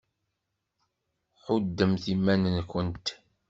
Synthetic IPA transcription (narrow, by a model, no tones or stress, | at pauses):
ħʊd̪ːəmθimːænənkʷənt̪